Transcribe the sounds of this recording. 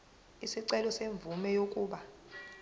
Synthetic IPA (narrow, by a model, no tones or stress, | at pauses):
isiǀɛlɔseɱb̪vumɛjokʼuːɓa